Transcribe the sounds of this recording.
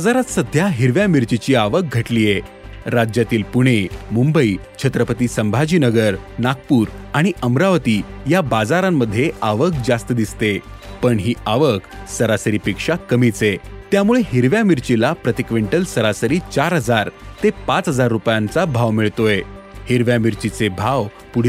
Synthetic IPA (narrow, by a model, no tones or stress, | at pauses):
ad͡zaɾat̪səd̪ʱjaɦiɾʋjamiɾt͡ɕit͡ɕiːaʋək̚ɡʱəʈliːje | ɾad͡ʑjat̪iːlpuɽ̃emumbəit͡ɕʰət̪ɾəpət̪iːsəmbʱad͡ʑiːnəɡəɾnak̚puːɾaɽ̃iʔəmɾaʋət̪iːjabad͡zaɾamːəd̪ʱːjeaʋək̚d͡zast̪əd̪ist̪e | pəɳɦiːaʋəksəɾasəɾiːpikʂakəmit͡set̪jamuɭeɦiɾʋjamiɾt͡ɕilapɾət̪ikʋeɳʈəlsəɾasəɾiːt͡ɕaɾɦəd͡zaɾt̪epat͡sɦəd͡zaɾːupjãnt͡sabʱaʋmiɭt̪oehiɾʋjamiɾt͡ɕit͡sebʱaʋ | puɽ